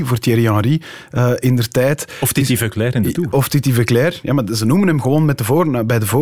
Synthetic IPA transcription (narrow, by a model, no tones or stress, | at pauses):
voːrtjɛɾiɑ̃ɾi | əʔɪndərtɛːtɔftitivəklɛːɾɪndətuːɔftitivəklɛːrjamazənumənɦɛmɣəʋoːnmɛt̚dəvoːɾnbɛjdəvoː